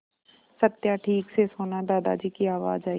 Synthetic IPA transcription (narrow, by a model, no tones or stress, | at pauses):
sət̪jaʈʰiːksesoːnad̪aːd̪a̰d͡ʒiːkiaːʋa̰ːd͡ʒaːi